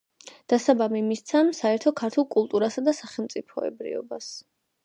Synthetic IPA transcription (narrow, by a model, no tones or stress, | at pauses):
d̪̥asabamimist̪sʰamsaɛɾt̪ʰɔkʰaɾt̪ʰulˠkʼulˠt̪ʼuɾasad̪asaχɛlˠmt̪sʼipʰɔɛ̰bɾḭɔ̰bas